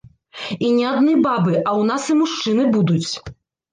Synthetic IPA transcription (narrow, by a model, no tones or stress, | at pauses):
inʲɛad̪nɨbabɨʔɐwn̪asɨmuʂt͡ʂɨnɨbud̪ut͡sʲ